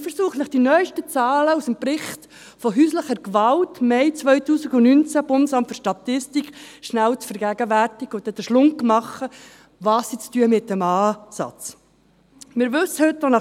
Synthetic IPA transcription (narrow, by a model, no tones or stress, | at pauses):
fəɾsuːχnɪχd̥inœʏʃtət͡sɑːləusəmpɾɪχt | fɔɦyːsləχəɾkʋɑltmɛɪt͡sʋœʏtuːsɪɡʊnynt͡sæb̥ʊndəsɑmtføɾʃtɑtɪstikχʃnæwt͡sfəɾɡ̥æɡəʋærtɪɡ̥əʊt̪ːɛd̪əʃlʊŋkmɑχə | ʋɑːsːit͡styəmɪt̚dəmɑːsɑ̰t͡s | mɪɾʋɵsəhɵtːonɑ